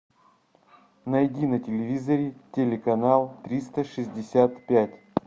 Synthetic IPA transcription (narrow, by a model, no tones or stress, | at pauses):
nɐjdʲinətʲɪlʲɪvʲizəɾʲɪtʲelʲɪkɐnalˠt̪ɾʲist̪əʂɨzʲdʲɪsʲat̪pʲætʲ